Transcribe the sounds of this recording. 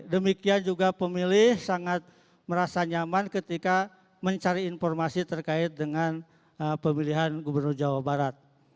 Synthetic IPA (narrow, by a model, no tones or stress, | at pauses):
dəmikiand͡ʒuɡapəmilɪhsaŋat̪̚ | məɾasaɲamankət̪ika | məɲt͡ʃaɾiːnfɔrmasit̪ərkaɪt̪̚dəŋan | əpəmiliɦanɡubərnʊrd͡ʒawabaɾat̪̚